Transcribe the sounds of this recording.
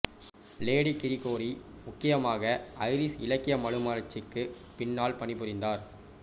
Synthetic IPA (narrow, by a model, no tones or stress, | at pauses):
leːɽikɪɾɪkːoːɾi | mʊkːɪjɐmaːɣɐɐɪɾɪsɪ̰lɐkːɪjɐmɐɻɯmaːlɐt͡ʃːɪkːɯ | pɪɳːaːlpɐɳɪpːɯɾɪnd̪aːɾ